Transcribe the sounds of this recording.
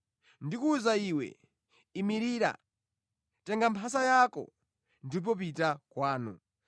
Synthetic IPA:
ndikuzaiwɛ̰ | imiɾiːɾa̰ | tɛŋɡampʰas̬ajakɔ̰ | ndiup̬ɔp̬itakwaːnṵ

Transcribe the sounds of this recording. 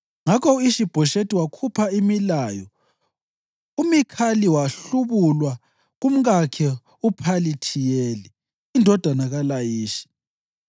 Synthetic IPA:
ŋakʰɔuiʃib̥ʱɔʃetʼiwakʰupʰaimilajɔ | umikʰaliwaɬuβulwa | ɣum̩ɣakʰɛ | upʰalitʰijɛːli | indʱɔd̥ʱanaɣalajiːʃi̥

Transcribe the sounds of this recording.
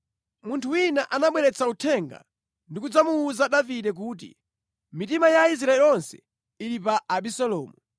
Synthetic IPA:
muntʰuwinaʔanaɓwɛɾɛt͡sʰautʰɛŋɡa̰ | ndik̬ud͡zamuːzaɗaviɗɛk̬uːt̬ḭ | mitimajais̬ɾaɛlɔnsɛ̥̰ | iɾipaːɓisɔlɔːmu

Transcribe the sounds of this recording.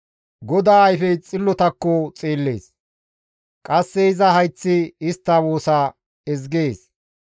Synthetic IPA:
ɡɔd̪aːɐjfɛjt͡sʼɪlːɔt̪ɐkːot͡sʼiːlːe̞̰ːs | kʼɐsːɛɪzɐhɐjt͡sːɪɪst̪ːɐwoːsa | ɛzɡeːs

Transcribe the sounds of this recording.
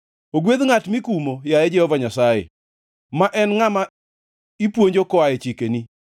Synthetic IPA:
oɡweðŋatmikumojaɛd͡ʒɛhɔvaɲasajɛ̰ | maʔɛnŋama | ipwoɲd͡ʒokɔaɛt͡ʃikeni

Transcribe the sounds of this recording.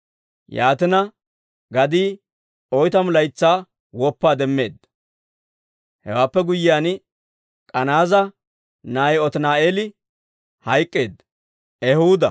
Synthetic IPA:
jaːt̪ɪnɐ | ɡɐd̪iː | ɔjt̪ɐmʊlɐjt͡sːaː | wɔpːaːd̪ɛmːe̞ːd̪ːɐ̥ | hɛ̰waːpːɛɡʊjːɪjaːn | kʼɐnaːzɐ | naːjɔt̪naːeːlɪ | hɐjkʼːe̞ːd̪ːɐ | ɛhuːd̪ɐ̰

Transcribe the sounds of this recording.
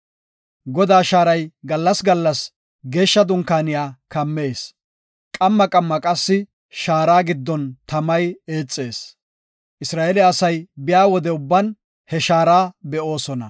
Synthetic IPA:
ɡɔd̪aːʃaːɾɐjɡɐlːɐsɡɐlːɐs | ɡe̞ːʃːɐd̪ʊŋkaːnɪjaːkɐmːe̞ːs | kʼɐmːɐkʼɐmːɐkʼɐsːɪ | ʃaːɾaːɡɪd̪ːɔnt̪ɐmɐje̞ːt͡sʼːe̞ːs | ʔɪsɾaːelɪːsɐjbɪjaːwɔd̪ɛʊbːɐn | hɛʃaːɾaːbɛʔo̞ːsɔnɐ̰

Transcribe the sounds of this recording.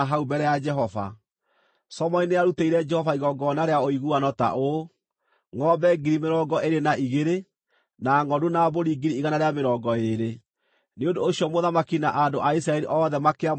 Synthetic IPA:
ɦaubɛɾɛjad͡ʒɛɦɔva̰ | sɔmɔineaɾuteiɾɛd͡ʒɛhɔvaiɣɔɡɔnaɾeaoiɣuanɔta̰ʔo | ŋɔbɛɡiɾimeɾɔːɡɔʔeɾenaʔiɣeɾe | naŋɔdonaboɾiɡiɾiːɣanaɾeameɾɔːɡɔeɾe | neondoːɕiɔmoðamakinaʔandoʔais̬ɾaɛɾiʔɔːðɛmakea

